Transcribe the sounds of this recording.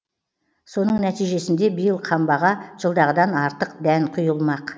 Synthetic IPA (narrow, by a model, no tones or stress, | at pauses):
so̞n̪əɴnæt̪ijʒe̞sɪnd̪e̞bijəlˠqʰɑmbɑʁɑʒ̥əlˠd̪ɑʁəd̪ɑnɑɾt̪əq̚d̪ænqʰʊjəlˠmɑq